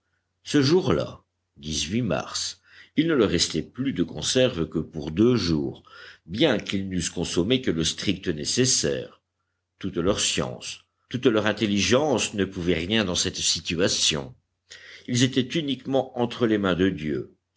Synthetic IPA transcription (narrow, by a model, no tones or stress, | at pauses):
səʒuʁla̰ | d̪izɥima̰ʁs | ilnələʁɛst̪ɛplyd̪əkɔ̰̃sɛʁvəkəpuʁd̪øʒuːʁbjɛ̃kilnyskɔ̃sɔmekələst̪χik̚t̪ənesesɛ̰ːʁ | t̪ut̪lœʁsjɑ̰̃s | t̪ut̪lœʁɛ̃t̪eliʒɑ̃snəpuvɛʁjɛ̃d̪ɑ̃sɛt̪sit̪yasjɔ̰̃ | ilzet̪ɛt̪ynikmɑ̃ɑ̃t̪χəlemɛ̃d̪əd̪jø̰